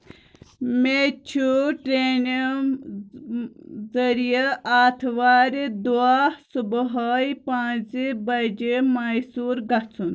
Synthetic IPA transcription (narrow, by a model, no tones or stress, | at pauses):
met͡ʃʰuʈɾeːn | zɐɾijəʔaːt̪ʰʋaːɾid̪uaːsubɦɐːjpãːt͡sibɐd͡ʒemajsuːɾɡɐt͡sʰun